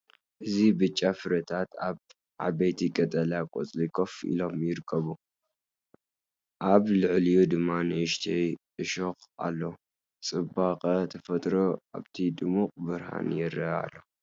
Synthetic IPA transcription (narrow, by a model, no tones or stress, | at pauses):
ʔɨzibɨt͡ʃʼːafɨɾɐt̪ʰat̪aβ | ʕa̰bɐjt̪ʰikʼɐt̪ʼɐlakʼo̰t͡sʼlikʰofʔḭlo̞mjɪɾɨkʰːɐβu | ʔaβlɨʕlijud̪ɨmːanɨɨʃt̪ʰɐjʔɨʃoxa̰lːo̞ | t͡sʼɨbaqʼɐt̪ʰɐfɐt̪ʼɾoʔa̰βt̪ʰid̪ɨmuqʼbɨɾha̰njɛɾɐa̰lːo